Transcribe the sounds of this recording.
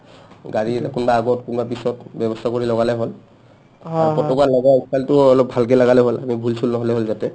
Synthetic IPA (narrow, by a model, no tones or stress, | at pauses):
ɡaɹikunbaːɡɔtkunbapisɔtbɔbɔstʰakoɹilɔɡalɛɦol | apɔtɔkalaɡatkaltʊɔlɔp̚bʱalk̬ɛlaɡalɛɦola̰mibʱulsʰulnɔɦolɛɦolzatɛ